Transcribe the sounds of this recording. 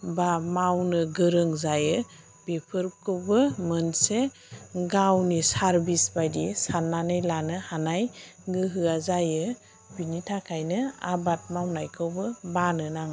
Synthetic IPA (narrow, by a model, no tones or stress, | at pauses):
bamawnɯɡɯɾɯŋzajɯ | b̥epʰɯɾp̚kʰɯwbɯmɯnse | ɡawnisaɾbisbajdisanːanɯjlanɯhanajɡɯɦɯazajɯ | b̥initʰakʰajnɯa̰bat̚mawnajkʰɯwbɯbanɯnaŋ